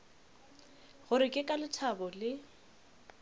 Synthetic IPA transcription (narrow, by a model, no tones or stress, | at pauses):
ɣʊɾɪkʼɪkʼalɪtʰabɔlɪ